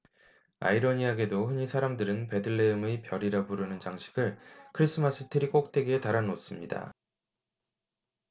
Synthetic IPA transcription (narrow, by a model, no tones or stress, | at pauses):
a̰iɾʌɲiaɡe̞dohɯɲisʰaɾamdɯɾɯnpe̞dɯɭːe̞ɯmɯpjʌɾiɾapuɾɯnɯnt͡ɕaŋɕʰi̥ɡɯɭkʰɯɾis͈ʰɯmas͈ʰɯtʰɯɾik͈ok̚t͈e̞ɡeetaɾanos͈ɯmɲida̰